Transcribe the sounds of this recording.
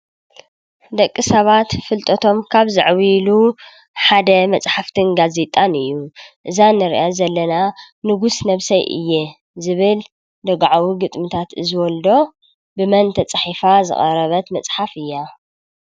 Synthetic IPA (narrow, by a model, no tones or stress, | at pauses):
d̪ɐkʼːisɐβat̪fɨlt̪ʼʰɐt̪ʰo̞mkʰaβzɨ̰ʕwilu | ħad̪ɐmɐt͡sʼħaft̪ʰɨnɡaze̞t̪ʼanɨjːuʔɨzanɨɾ̰ʔazɐlːɐna | nɨɡusnɐβsɐjʔɨ̰jːe | zɨβɨl | d̪ɐɡʕawiɡɨt̪ʼmɨt̪ʰat̪ɨzɨwɔld̪o̞ | bɨmɐnt̪ʰɐt͡sʼħifazɨ̰χʼɐ̰ɾɐβɐt̪mɐt͡sʼħafɨjːa